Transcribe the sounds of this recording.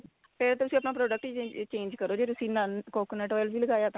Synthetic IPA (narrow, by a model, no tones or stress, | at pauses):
pʰɪɾt̪ːt̪ʊsĩːəp̬naːpɾoːɖək̚ʈit͡ʃeːnd͡ʒkəɾoːd͡ʒeːt̪ʊsĩːnənkoːkneːʈɔːjəlʋiːləɡaːjaːt̪ã